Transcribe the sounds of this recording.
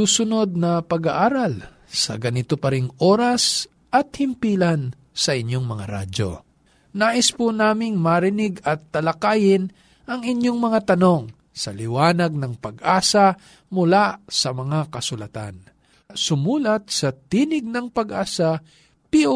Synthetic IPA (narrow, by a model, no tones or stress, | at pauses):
uːsʊno̞d̪̚nɐpɐɡaʔaːɾɐl | sɐ̰ɡɐnɪt̪opɐɾɪŋʔo̞ːɾɐs | ʔɐt̪̚hɪmpiːlɐn | sɐʔɪɲoŋmɐŋa̰ɾa̰d͡ʒo̞̰ | naːʔɪspunaːmɪŋmɐɾɪnɪɡɐt̪ːɐlɐkaːjɪn | ʔɐŋɪɲjoŋmɐŋat̪ɐno̞ŋ | sɐlɪwaːnɐɡ̚nɐŋpɐɡʔaːsɐ | mʊlasɐmɐŋakɐsʊlɐt̪a̰n | sʊmuːlɐt̪̚sɐt̪iːnɪɡ̚nɐŋpɐɡʔaːsɐ | pio